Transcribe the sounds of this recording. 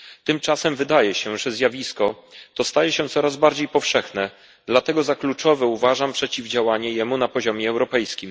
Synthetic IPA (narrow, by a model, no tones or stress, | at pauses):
t̪ɘmt͡ʂasɛmvɘd̪ajɛɕɛʐɛzʲjavʲiskɔt̪ɔst̪ajɛɕɛt̪sɔɾazbaɾd͡ʑejpɔfʂɛxnɛ | d̪lat̪ɛɡɔzaklut͡ʂɔvɛuvaʐampʂɛt͡ɕivd͡ʑawaɲɛjɛmunapɔʑɔmʲjɛːwɾɔpɛjskʲim